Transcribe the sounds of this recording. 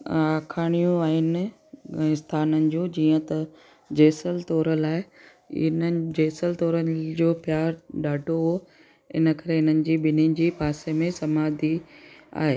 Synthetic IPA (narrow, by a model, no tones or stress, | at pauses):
aːkʰaːɽ̃ijũãːɦɪn̆̃ː | ɪst̪ʰaːnənɪ̆d͡ʑũːd͡ʑiːə̃t̪ɐ | d͡ʑeːsəlt̪ɔːɾəlaːe | ɪ̰nəd͡ʑeːsəlt̪ɔːɾənd͡ʑoːpjaːɾɗaːɖʱoɦo | ɪ̰nə̆kɐɾeɪnənɪ̆d͡ʑiːɓɪnind͡ʑiːpaːsemẽsɐmaːd̪ʱia̰ːɦeː